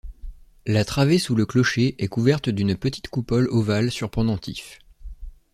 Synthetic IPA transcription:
lat̪χavesuləklɔʃeʔɛkuvɛʁt̪d̪ynpət̪ʰi̥t̪kupɔlovalsyʁpχɔ̃d̪ɑ̃t̪if

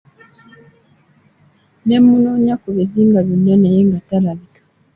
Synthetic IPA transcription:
nɛmunɔɲakuβɛziŋɡaβunanɛjiŋɡataɾalikḁ

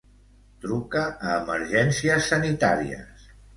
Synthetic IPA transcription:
t̪ɾukəːməɾʒɛnsiəsːənit̪a̰ɾḭə̰s

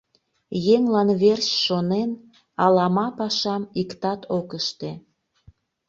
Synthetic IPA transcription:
jeŋlɑnβersʃonen | ɑlɑmɑpɑʃɑmikt̪ɑt̪ʰokəʃt̪e

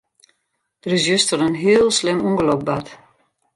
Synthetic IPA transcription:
d̥ərysjøstəɾənɦiəlˠslɪmuŋɡəlok̚bat

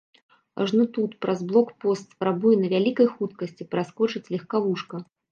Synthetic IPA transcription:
ʐnut̪ut̪pɾazblˠɔkpɔst̪spɾabujɛnɐvʲalʲikɐjxut̪kɐsʲt͡sʲipɾaskɔt͡ʂɨt͡sʲlʲɛxkavuʂkɐ

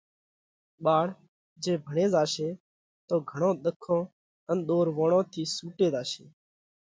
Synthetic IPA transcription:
ɓaːɽ̤ | d͡ʒeːbʱəɳeːzaːʃeː | t̪oːɡʱəɳõːɗ̪əkʰːõː | ənɗ̪oːɾʋõːɳõːt̪ʰiːsuːʈeːd̪aːʃḛː

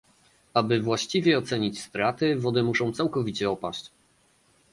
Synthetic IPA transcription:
abɘvwaɕt͡ɕivʲjɛɔt̪sɛɲit͡ɕst̪ɾat̪ɘvɔd̪ɘmuʂɔ̃w̃t̪sawkɔvʲit͡ɕɛɔpa̰ɕt͡ɕ

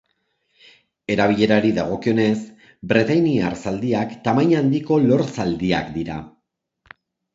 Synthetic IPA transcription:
e̞ɾaβ̞iʎe̞ɾaɾiðaɣ̞o̞kio̞ne̞s | bɾet̪ajniaɾsald̪iakt̪amaɲand̪iko̞lo̞ɾsald̪iakd̪iɾa

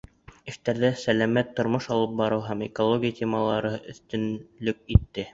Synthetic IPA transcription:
ɘ̆ʃt̪æɾðæsælæmæt̪ːŏɾmoʃɑlˠɤp̚bɑɾɤwɦæmekolˠoɡʲijat̪ʲʰemɑlˠɑɾɤɵ̰̆θt̪ɵ̆nlɵk̚it̪ːɘ

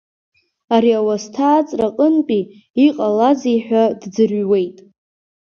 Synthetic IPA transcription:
aɾiawastʰaːt͡sʼraqʼənpʼi | iqʼalad͡zijħʷᶣadd͡zɨrɥwe̞jtʼ

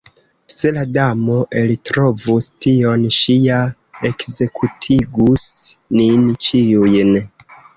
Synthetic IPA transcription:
se̞ladamo̞ʔe̞litɾo̞vustio̞nʃija | e̞kze̞kʰutʰiɡusnint͡ʃiujn

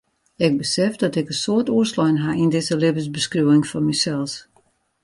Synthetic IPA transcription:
ɪɡ̚bəsɛfdɔtɪkənsoətuəslɔjnɦaindɪzəlɪbəsbəskruəɪŋfɔnmisɛlˠs

